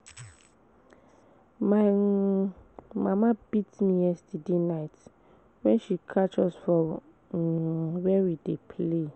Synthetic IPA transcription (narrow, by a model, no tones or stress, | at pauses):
ma | mamãbitmĩɛsdidenajt | wɛ̃nʃikʰat͡ʃɔsfɔ | wɛwidepʰle